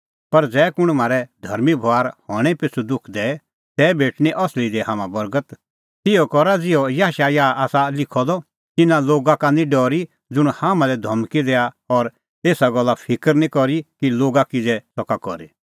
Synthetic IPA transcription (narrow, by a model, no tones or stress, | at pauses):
pɐɾd͡zɛːkʊɽ̃m̤aːɾɛd̪ʱɐɾmibʱɔaːɾhɔːɽ̃ɛpɪt͡sʰud̪ʊkʰd̪ɛ | t̪ɛːbeːʈʰñiʔɔslid̪ɛɦaːmãbɐɾɡət̪ | t̪ɪjɔkɔɾad͡zɪɔjaɦaʃajaːaːsalɪkʰɔd̪ɔ | t̪ɪnãloːɡakanĩɖɔːɾi | d͡zʊɽ̃haːmãlɛd̪ʱɔmkid̪ɛːa | ɔɾ | eːsaɡɔlːapʰɪkəɾnĩkɔɾikiloːɡakid͡zɛsɔkakɔɾḛ